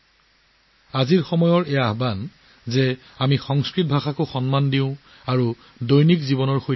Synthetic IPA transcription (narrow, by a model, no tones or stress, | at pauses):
aziɹxɔmɔjɔɹɛaaɦban | zɛ | amixɔŋskɹit̚bʱaxakoxɔnmandiʊ̃ | aɹu | dojnikzibɔnɔɹxoj